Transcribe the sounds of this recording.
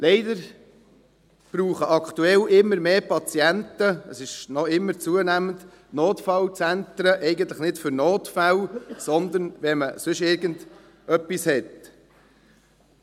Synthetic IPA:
lɛɪdəɾ | b̥ɾuːχəʔɑkt̪uɛlʔɪmːəɾmeːpɑt͡siæntəəsɪʃnɔɪmːəɾt͡suənæmənd̪ | noːtfɑlt͡sænt̪ɾəʔɛɪɡən̩t̪ləχnɪtfʏɾnoːtfælsɔnd̪ənʋɛməsʏʃɪɾɡənd̥ | œpːishɛt

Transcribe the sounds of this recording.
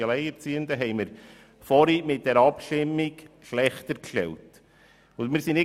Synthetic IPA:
ɑlɛɪɛɾt͡siːəndəɦɛɪməɾ | fɔɾimɪt̚d̥ɛɾɑpʃtɪmːikʃlɛχtəɾkʃtɛ̰lt | ʊnmɪɾsinɪ

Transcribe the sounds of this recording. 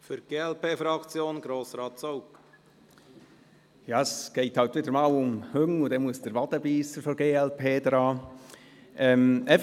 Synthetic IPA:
fyɾɡ̥eːɛlpeːfɾɑkt͡sjoːnɡ̥ɾoːsɾɑːtsoʊk | jɑːəsɡ̥eɪthɑlt̪ʋɪdəɾmɑːlʊmhøŋudɛmuəsd̥əɾʋɑd̥əbiːsəfɔɾɡeːɛlpʰeːdɾɑː | ʔɛmɛ

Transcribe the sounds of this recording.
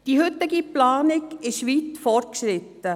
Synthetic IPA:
d̥ihʏt̪ːɪɡiplaːnɪɡɪʃʋiːt̪fɔrtkʃɾɪt̪ːə

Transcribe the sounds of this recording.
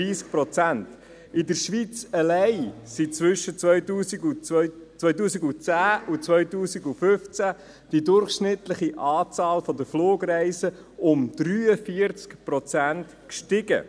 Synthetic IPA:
iːsk̚pɾɔt͡sænt | ɪdəɾʃʋit͡səlɛɪsit͡sʋʏʃət͡sœʏtuːsiɡut͡sʋœʏt̬uːsiɡut͡sæːut͡sʋœʏtuːsiɡufʏft͡sæ | d̥idʊɾχʃnɪt̪ləχiʔɑːt͡sɑːlfɔd̪əfloːɡɾæɪsə | ʊmd̪̥ɾyːəfiəɾt͡skpɾɔt͡sænt | kʃtɪɡə̰

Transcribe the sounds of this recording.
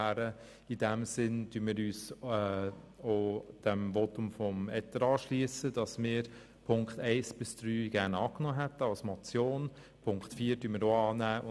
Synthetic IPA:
æɾə | id̥ɛmsɪnd̥yːnmɪːɾyːsɛ | od̥ɛmvɔtʊmfɔmɛtəɾɑːʃliəsəd̥ɑsmɪəɾ | pʰʊŋktɛɪsb̥ɪsd̥ɾyːɡ̥æɾnɑːknoːɦɛtəɑlsmɔt͡sjoːn | pʰʊŋktfiːɾdyːnmɪːɾoːɑːnæːʊ

